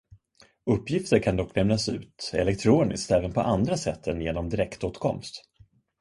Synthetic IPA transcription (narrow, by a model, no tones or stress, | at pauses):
ɵpːjɪft̪əɾkʰand̪ɔkːnɛmnasʉ̟̰ːt̪ɛ̰lɛk̚t̪ʰɾoːnɪ̰skt̪ɛːvənpʰɔʔand̪ɾasɛt̪ʰːənjeːnɔmd̪ɪɾɛkt̪oːt̪kʰɔ̰mst̪